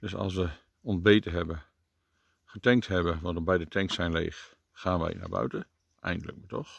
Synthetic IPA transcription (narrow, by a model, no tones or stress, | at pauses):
d̥øsɑ̰lˠsʋə | ɔnzbeːtəɦɛbə | χətɛŋk̚tɦɛbəʋɑndbɛjdətɛŋktsɛjnlḛːxː | aːnʋɛ̰jna̰bœ̰ɥtə | ɛ̰jndələ̰k̚matɔx